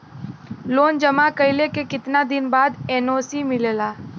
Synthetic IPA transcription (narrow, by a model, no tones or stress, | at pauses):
loːnd͡ʒəmakəilekekɪt̪nad̪ɪnbaːd̪ɛːnoːsimɪleːlaː